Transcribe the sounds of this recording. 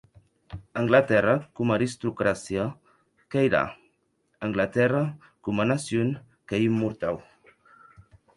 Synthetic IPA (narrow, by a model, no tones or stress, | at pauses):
əŋɡlat̪ɛrakumaɾist̪ɾukɾasja | kajɾa̰ | əŋɡlat̪ɛra | kumanasjuŋ | keimːuɾt̪aw